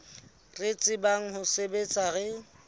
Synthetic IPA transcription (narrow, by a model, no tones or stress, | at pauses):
ret͡sʼɪbaŋ̩ɦʊsebet͡sʼaɣɛ